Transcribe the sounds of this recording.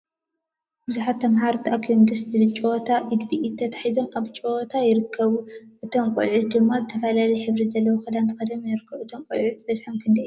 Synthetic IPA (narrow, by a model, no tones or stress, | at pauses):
b̥ɨzuħat̪ʰːɐmɦaɾt̪ʰiakʰjomd̪ɨszɨβɨlt͡ʃʼowot̪ʰaʔid̪biʔit̪ʰːɐt̪ʰḁħizo̞mʔaβt͡ʃʼoot̪ʰajɪɾɨkʰːɐβuʔɨt̪ʰo̞mkʼṵlʕut̪̚d̪ɨmːazɨt̪ʰɐfɐlalɐjħɨβɾizɐlːɐwoxɐd̪ant̪ʰɐ̥xɐd̪omjɪɾɨkʰːɐβuɨt̪ʰomkʼṵlʕut̪̚bɐzħɐmkʰɨnd̪ɐʔj